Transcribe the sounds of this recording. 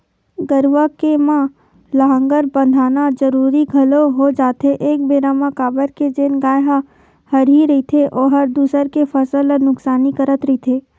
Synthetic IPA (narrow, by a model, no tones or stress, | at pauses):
ɡəɾwakemã | ləɦə̃ŋɡəɾbə̃nd̪ʱaːnad͡ʒəɾuːɾiɡʱɐloɦod͡ʒaːt̪eʔeːk̚beːɾaːmakaːbəɾked͡ʒeːnɡaːjɦa | hɐɾiɾɐɦit̪ʰeʔɔːɦɐɾd̪uːsəɾkefʰɐsələnʊksaːnikəɾət̪ɾɐit̪ʰeː